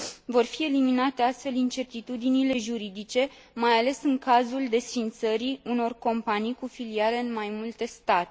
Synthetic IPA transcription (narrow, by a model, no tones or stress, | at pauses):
vo̞rfie̞liminat̪e̞ast̪fe̞lint͡ʃe̞rt̪it̪ud̪inile̞ʒuɾid̪it͡ʃe̞ | majale̞sɨŋkazuld̪e̞sfint̪səɾiuno̞rko̞mpanijkufiliale̞ɨnmajmult̪e̞st̪at̪e